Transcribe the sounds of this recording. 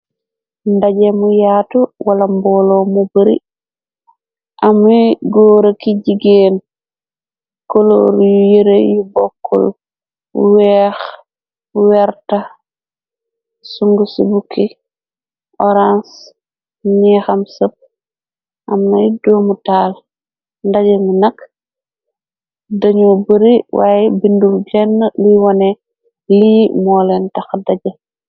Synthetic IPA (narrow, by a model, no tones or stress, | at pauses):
ndaɟemujaːtuwalambɔlomubəɾḭ | ʔamiɡoːɾakiɟiɡen | kolo̰ɾjujiɾejubɔkːɔ̰l | wɛːx | wɛɾta | suŋɡusubuki | ʔɔɾãns | ɲɛxɐmsəp̚ | ʔɐmnɐjdoːmutaːl | ndaɟɐŋinɐk | dɐɲobəɾiwa̰ːjbindumd͡ʒɛnːəliwɔne | limɔːlɛntɐxdaɟɐ